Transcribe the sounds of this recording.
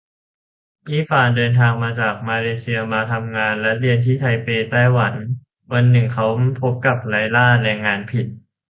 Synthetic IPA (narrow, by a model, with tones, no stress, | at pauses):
ʔiː˥˩faː˨˩ndɤː˧nt̪ʰaː˧ŋmaː˧t͡ɕaː˨˩k̚maː˧leː˧si˧ɐmaː˧t̪ʰa˧mŋaː˧nlɛ˦˥ɾi˧ənt̪ʰiː˥˩t̪ʰa˧jpeː˧t̪aː˥˩jwa˩˦n | wa˧nːɯ˨˩ŋkʰa˦˥wpʰo˦˥p̚ka˨˩p̚la˧jlaː˥˩ɾɛː˧ŋːaː˧npʰi˨˩t̪̚